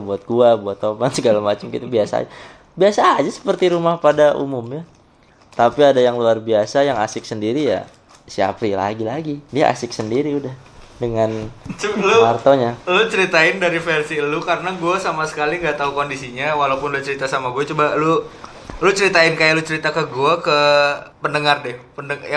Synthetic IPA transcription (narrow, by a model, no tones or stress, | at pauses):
buat̪̚ɡuabuat̪ːobansəɡalamat͡ʃamkḭt̪ubiasa̰ːd͡ʒa | biasaːd͡ʒasə̥pərt̪iɾumahpadaʔṵmʊmɲa | t̪apiadajaŋluarbiasajaŋa̰sɪk̚səndiɾija̰ | sia̰pɾila̰ɡilaɡidia̰ʔa̰sɪk̚səndiɾiudah | dəŋanluart̪oɲalut͡ʃəɾit̪aɪndaɾifɛrsilukaɾənaɡuasamasə̥kaliŋɡat̪aukondisiɲawalapʊnlut͡ʃəɾit̪asamaɡuat͡ʃubalu | lut͡ʃəɾit̪aɪnkajalut͡ʃəɾit̪akəɡuakəpənəŋardɪhpənəja